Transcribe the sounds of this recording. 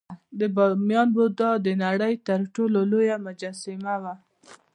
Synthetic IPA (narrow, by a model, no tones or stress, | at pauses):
d̪əbmjɑnbod̪ɑd̪ənaɽəjt̪əɾʈololojamʊd͡ʒɑsɪmawa